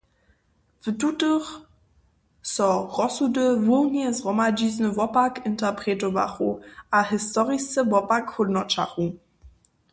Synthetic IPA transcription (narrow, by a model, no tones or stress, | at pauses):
vətutəχ | sɔʁɔsudəvunɛsʁɔmad͡ʒiznəvɔpakʰɪntʰɐpʁ̥etova̰χuʔahɪstɔʁistəbɔpakhʊdnɔt͡ʃa̰χu